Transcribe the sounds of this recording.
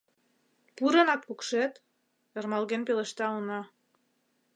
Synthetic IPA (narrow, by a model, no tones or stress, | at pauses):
puɾɤ̆nɑt̪̚kukʃet̪ | ĕrmɑlɣenpeleʃt̪ɑunɑ